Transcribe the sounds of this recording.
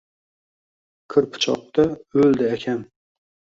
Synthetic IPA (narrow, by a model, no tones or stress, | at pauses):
kʰɨɾpʰʊ̥t͡ʃʰɒ̰q̚t̪aɵld̪ɪakʲʰam